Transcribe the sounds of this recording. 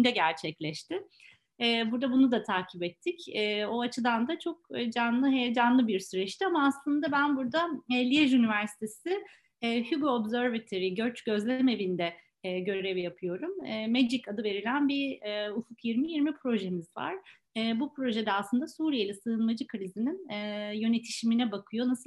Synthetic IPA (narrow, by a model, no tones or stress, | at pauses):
nd̪ɛɟæɾt͡ʃʰɛclʲɛʃt̪ʰɪ | ɛːbuɾd̪abunud̪at̪ʰaːcʰibɛt̪ʰːɪcɛːo̞at͡ʃʰɯd̪and̪at͡ʃʰo̞k̚ːd͡ʒanlˠɯɦɛd͡ʒanlˠɯbiɾsyɾɛʃt̪ʰiamaːslˠɯnd̪abænbuɾd̪aɛlʲijeʒynivæɾsi̥t̪ʰe̞sɪ | ɛːhyɡoːbzøɾvat̪ʰoɾiɟøɾt͡ʃɟ̥ø̞zlʲeɛme̞vind̪ɛː | ɟø̞ɾɛvjapʰɯjo̞ɾumːmed͡ʒicad̪ɯve̞ɾilʲænbiɛufukjiɾmijiɾmipʰɾo̞ʒe̞mizva̰ɾ̥ | ɛːbupɾo̞ʒed̪ɛaslˠɯnd̪asuːɾijelʲɛsɯːɯnmad͡ʒɯkɾizininɛjø̞ne̞t̪ʰi̥ʃiminɛbakʰɯjo̞nasɯ